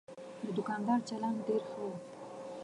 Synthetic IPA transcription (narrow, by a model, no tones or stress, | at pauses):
d̪əd̪ʊkɑnd̪ɑɾt͡ʃaland̪ɖeɾxəw